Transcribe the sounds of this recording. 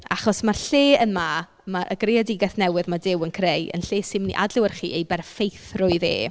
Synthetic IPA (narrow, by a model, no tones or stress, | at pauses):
aχɔsmarɬeːənma | maʔə̰ɡrejadɪɡɛθnɛwɨðmadɪwənkʰrejə̰nɬeːsɪmnḭʔa̰dlʊwərχḭːejbɛrfejθrʊɨðḛː